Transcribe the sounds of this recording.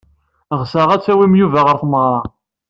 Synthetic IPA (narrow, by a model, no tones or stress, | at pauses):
ʁsæʁæt͡sːæwimjuvæʁəɾθməʁɾˤɑ